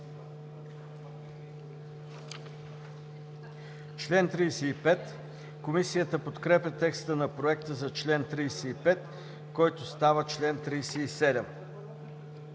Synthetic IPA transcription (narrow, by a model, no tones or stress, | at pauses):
t͡ʃlɛnt̪ɾijsɛipɛt̪ | komisijət̪əpot̪kɾɛpjət̪ɛkst̪ənɐpɾoɛkt̪əzɐt͡ʃlɛnt̪ɾijsɛipɛt̪ | kɔjt̪ost̪avət͡ʃlɛnt̪ɾijsɛisɛd̪ɛm